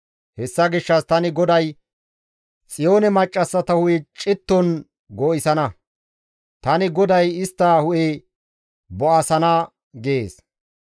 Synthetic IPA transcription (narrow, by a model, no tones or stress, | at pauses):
hɛsːɐɡɪʃːɐst̪ɐnɪɡɔd̪ɐj | t͡sʼɪjo̞ːnɛmɐt͡ʃʼːɐsːɐt̪ɐhʊʔɛt͡ʃʼɪt̪ːɔn | ɡoːʔɪsɐnɐ | t̪ɐnɪɡɔd̪ɐjɪst̪ːaːhʊʔe | bɔʔɐsɐnɐː | ɡeːs